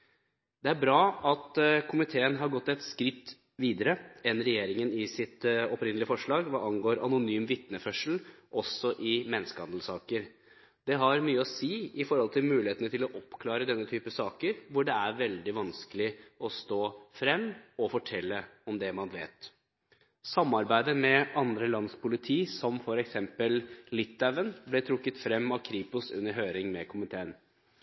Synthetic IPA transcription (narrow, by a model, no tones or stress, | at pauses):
d̪ɛæɾbɾɑːɑt̪kʰʊmɪt̪ʰeːənɦɑɾɡɔt̪ːɛt̪skɾɪt̪ː | ʋiːd̪əɾəɛnːɾɛjeːɾɪŋənɪsɪt̪ɔpɾɪnəlɪəfɔʂɭɑːɡʋɑʔɑŋɡoːɾɑnʊnyːmʋɪt̪nəfœʂəlʔɔsɔʔɪmɛnːəskəhɑ̰nd̪əl̩sɑːkəɾ | d̪ɛɦɑɾmyːəɔsiːɪfɔɾhɔlt̪ʰɪlmʉːlɪheːt̪nət̪ʰɪlɔʔɔpːkʰlɑːɾəd̪ɛnːət̪ʰyːpəsɑːkəɾʋʊɖɛæɾʋɛld̪ɪʋɑnskəlɪɔst̪oːfɾɛmːɔfɔʈʰɛlːəɔmd̪ɛmɑnʋḛːt̪ | sɑmːɑɾbæɪd̪əmɛɑnd̪ɾəlɑnspʰʊlɪt̪ʰiːsɔmfɔɾɛksɛmpəllɪt̪ːɛʋənblɛt̪ʰɾʊkːət̪fɾɛmːɑʋkʰɾiːpʊsʉ̰nːəɾɦøːɾɪŋmɛkʰʊmɪt̪ʰeːən